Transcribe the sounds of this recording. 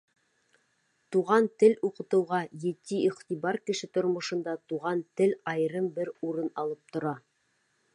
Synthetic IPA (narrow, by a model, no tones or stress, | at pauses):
t̪uʁɑnt̪ɘluqɤ̆t̪ɤ̆wʁɑjɘ̆t̪iiχt̪iβɑɾkɘ̆ʃɘt̪ŏɾmŏʃɤ̆nd̪ɑt̪uʁɑnt̪ɘlɑjɾɤmbɘɾuɾɤnɑlˠɤp̚t̪ŏɾɑ